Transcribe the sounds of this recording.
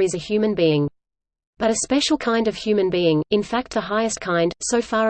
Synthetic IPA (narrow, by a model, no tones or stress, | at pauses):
ɨzɨhjʉmɨ̃nbiɪ̃ŋ | b̥ʌɾɨspɛʃl̩ˠkʰãɪ̃ndʌv̥hjʉmɨ̃nbiɪ̃ŋɨ̃nfæk̪̚ðəɦaɪɨskʰãɪ̃nd̥səʊfɑː